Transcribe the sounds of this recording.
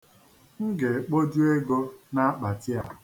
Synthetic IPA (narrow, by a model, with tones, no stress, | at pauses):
ŋ̩˦ɡe˨k͡po˦d͡ʒu˦e˦ɡo˦na˦a˦k͡pa˨tɪ˦a˨